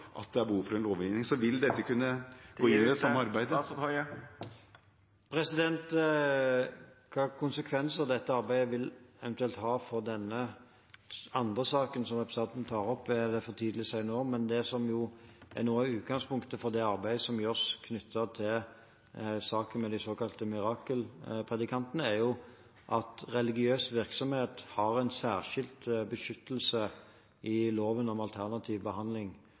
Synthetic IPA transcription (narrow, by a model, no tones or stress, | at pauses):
ʔɑ̰t̪̚d̪ɛæɾbəhuːfɔɾɛnloːʋɪnɪŋsɔʋɪld̪ɛt̪ːəkʉnːəɡoːɪnːɪd̪ɛsɑmːəɑɾbæɪd̪ə | pʰɾɛsɪd̪ɛnt̪ | kʰɑːkʰʊnsəkʰʋɛnsəʁd̪ɛt̪ːəɑɾbæɪəʋɪlɛʋɛnt̪ʉɛlt̪hɑːfɔɾd̪ɛnːə | ɑnd̪ʁəsɑːkənsɔmɛpst̪ɑt̪nt̪ʰɑːɾɔpːæd̪ɛfɔt̪ʰiːd̪əlɪsæɪnoːmɛnd̪ɛsɔmjʊʔæ̰nuːəʉːt̪̚ɡɑŋspʊŋkt̪əfɔɾd̪ɛɑɾbæɪsɔmjœskʰnʏt̪ʰːət̪ʰɪl | sɑːkənmɛd̪ɪsoːkɑlt̪əmɪɾɑːkəlpʰʁɛd̪ɪkʰɑnt̪ənəæɾjʊ | ʔɑt̪ɾɛlɪɡɪøːsʋɪɾksɔmheːt̪hɑɾɛɪnsæːʁʂɪlt̪bəʃʏt̪ːəlsə | ʔɪloːʋənɔmɑlt̪ʰæʁnɑt̪ʰiːʋbəhɑnd̪lɪŋ